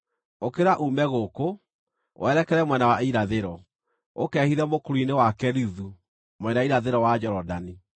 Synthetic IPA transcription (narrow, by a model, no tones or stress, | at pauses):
okeɾaʔumɛɣoko | wʔɛːɾɛkɛɾɛmwɛnawaiɾaðeɾɔ | okɛhiɾɛmokoɾuinewakɛɾiðu | mwɛndaiɾaðeɾɔwad͡ʑɛɾɔdani